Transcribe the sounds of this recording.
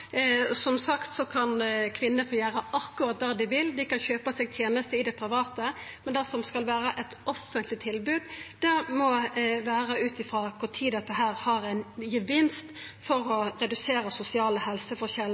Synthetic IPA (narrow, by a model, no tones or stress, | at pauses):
sɔmsɑkt̪sɔkʰɑnkʰʋɪnːəfoːjæːɾəʔɑkʉɾɑt̪̚d̪ɑːd̪ɪʋɪld̪ɪkɑnçøːpəsɛːɡ̚t̪ʰjeːnəst̪əɪd̪ɛpʰɾɪʋɑːt̪əmɛnd̪ɛsɔmskɑlʋæːɾəʔɛt̪ɔfːənt̪ʰlɪt̪ʰɪlbʉːd̪d̪̥ɛmɔʋæːɾəʉːt̪ɪfɾɑːkʰʊɾt̪ʰiːd̪ɑt̪ːəɦæːɾhɑɾæɪnjəʋɪnst̪ | fɔɾɔɾɛd̪ʉseːɾəsʊsɪɑːləhɛlsəfɔɾɕɛl